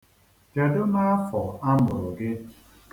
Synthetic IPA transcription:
d͡ʒa˨do˦na˦a˦fɔ˨a˦mʊ˨ɾʊ˨ɡɪ˦

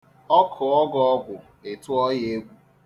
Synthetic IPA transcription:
ɔ˦kʰʊ˨ɔ˦ɡɔ˦ɔ˦ɡʷʊ˨ | e˨tʊ˦ɔ˦je˦ɡʷu˦

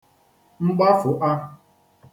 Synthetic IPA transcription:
ŋ͡m̩˦ɡ͡ba˦fʊ˨ʔa˦

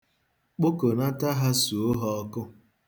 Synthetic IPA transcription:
k͡po˦ko˨na˦ta˦ɦa˦su˨o˦ɦɔ˦ɔ˦kʊ˦

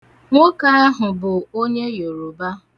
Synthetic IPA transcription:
ŋʷo˦ka˦a˦ɦʊ˨bʊ˨o˦ɲe˦jo˨ɾo˨ba˦

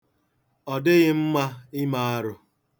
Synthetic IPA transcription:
ɔ˨dɪ˦ɣɪ˦m̩˦ma˦ɪ˦ma˨˦a˦ɾʊ˨

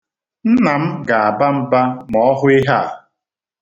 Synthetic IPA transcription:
n̩˦na˨m̩˦ɡa˨a˨ba˦m̩˦ba˦mɔ˨ɔ˦ɦʊ˦ɪ˦ɦa̰˦˨

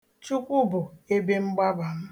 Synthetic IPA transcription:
t͡ʃu˦kʷu˦bʊ˨e˦be˦m̩˦ɡ͡ba˦ba˨m̩˦

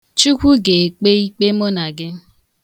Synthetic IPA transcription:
t͡ʃu˦kʷu˦ɡe˨k͡pe˦i˦k͡pe˦mo˦na˨ɡɪ˦

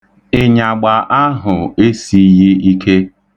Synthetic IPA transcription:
ɪ˨ɲa˨ɡ͡ba˨ʔa˦ɦʊ˨e˦si˨˦ji˦i˦kʰe˦

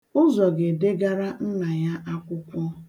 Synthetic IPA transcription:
ʊ˦zɔ˨ɡe˨de˦ɡa˦ɾa˦n̩˦na˨ja˦ʔa˦kʷʊ˦kʷɔ˦

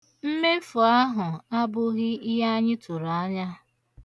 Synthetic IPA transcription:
m̩˦me˦fʊ˨a˦ɦʊ˨a˦bʊ˦ɣɪ˦i˦ɦa˦ɲɪ˦tʊ˨ɾa˨a˦ɲa˦

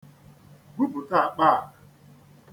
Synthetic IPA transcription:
ɡu˦bʊ˨ta˦˨a˨k͡pa˦a˨

